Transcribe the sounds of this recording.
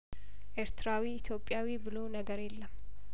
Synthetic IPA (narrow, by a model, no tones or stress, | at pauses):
ʔe̞ɾt̪ʰɨɾawiɪt̪ʰjo̞pʼːjawibɨlo̞nəɡəɾjelːəm